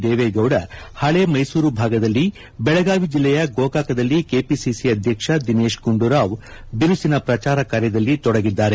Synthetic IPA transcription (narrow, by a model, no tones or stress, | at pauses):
d̪eːʋeːɡɐwɽɐhɐɭe̞ːmɐjsuːɾubʱaːɡɐd̪ɐlːi | bɛɭɐɡaːʋid͡ʒilːɛjɐɡoːkaːkɐd̪ɐlːikeːpisisiɐd̪ʱjɐkʂɐd̪ine̞ːʃkuɳɖuɾaːʋ | biɾusinɐpɾɐt͡ʃaːɾɐkaːɾjɐd̪ɐlːit̪ɔɽɐɡid̪ːaːɾe